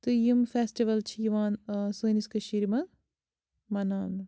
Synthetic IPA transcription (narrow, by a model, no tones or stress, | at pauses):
t̪ɨjimfesʈiʋɐlt͡ʃʰijiʋaːnsuːniskɐʃiɾimɐ | mɐnaːn